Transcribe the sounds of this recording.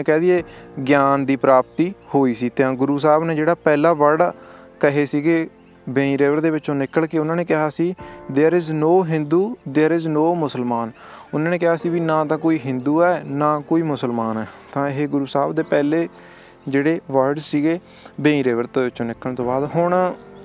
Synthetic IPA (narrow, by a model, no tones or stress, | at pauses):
eːkɛːd̪ieːɡjaːnd̪iːpɾaːp̚t̪iːhoːiːsiːt̪ãːɡʊɾuːs̬aːbneːd͡ʒeːɽaːpɛːlaːʋəɖ | kəɦeːsiːɡeː | bẽːĩːɾeːʋəɾd̪eːʋɪt͡ʃõːnɪkːəɭkeːʊnãːneːkɪɦaːsiːd̪eɾɪznoːɦɪ̃nd̪uːd̪eəɾɪznoːmʊsəlmaːn | ʊnãːneːkɪɦaːsiːʋiːnãːt̪ãːkoːiːɦɪ̃nd̪uːɛːnãːkoːiːmʊsəlmaːnɛːt̪ãːɪɦeːɡʊɾuːsaːbd̪eːpɛːleː | d͡ʒeːɽeːʋəɾɖsiːɡeː | bẽːĩːɾeːʋəɾt̪eːʋɪt͡ʃõːnɪkːəɳt̪õːbaːd̪ɦʊɳ